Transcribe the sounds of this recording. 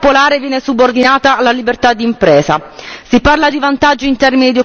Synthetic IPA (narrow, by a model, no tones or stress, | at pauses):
polaːɾevjɛːnesubord̪inaːt̪alːalibert̪ad̪ːiːmpɾɛːza̰siparlad̪ivant̪ad͡ʒːoint̪ɛrminid̪io